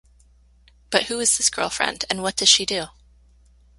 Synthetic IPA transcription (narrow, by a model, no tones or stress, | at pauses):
b̥ʌt̚huɨz̥ðɪsɡ̥ɜ̰˞lˠfɹɛ̰̃ndɨ̃nwʌt̚d̥ʌz̥ʃidʉ